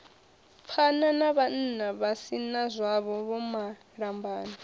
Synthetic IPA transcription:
pʰananaβan̩ːnaβasinazʷaβɔβɔma | ɺambʱaːnɔ

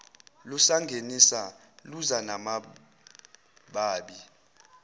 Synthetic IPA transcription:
lusaŋɡʱenisa | luzanama | ɓaːɓi

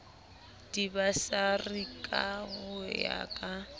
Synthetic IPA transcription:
d̥ibasarikʼaɣʊja̰kʼa

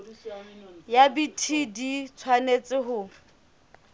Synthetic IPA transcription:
jabitʰidit͡sʰwanet͡sʼɪɦʊ

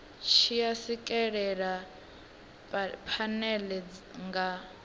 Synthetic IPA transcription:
ʃʰijasikʼɛɺɛɺa | pʰanɛlɛd͡zŋɡa

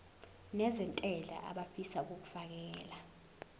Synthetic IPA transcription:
nɛzɛntʼɛɮʱa̰ʔa̰ɓafisauk̬ok̬u̥fak̬ɛːla

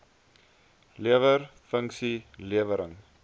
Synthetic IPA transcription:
liəvərfəŋksiliəvəɾəŋ

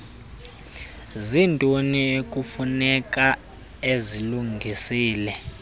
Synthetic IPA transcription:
zintʼoniek̬ʼufunɛkʼa | eziluŋʱisiːlɛ

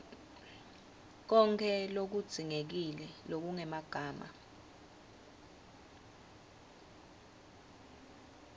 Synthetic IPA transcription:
k̬ɔŋkʰɛlok̬ud̥z̥ʱiŋek̬ilɛlok̬uŋɛmaɡ̥ʱaːma̰

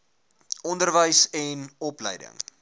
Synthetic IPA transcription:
ɔndərvəjsɛnɔplə̰jdə̰ŋ

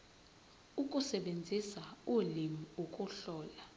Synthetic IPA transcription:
ukʼusɛɓend͡zʱisaulimiokʼuɬɔːla

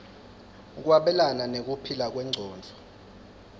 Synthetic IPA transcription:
k̬waɓɛlananek̬ʼupʰilak̬wɛŋ͡ǀʱɔːnd͡ɮʱɔ̥

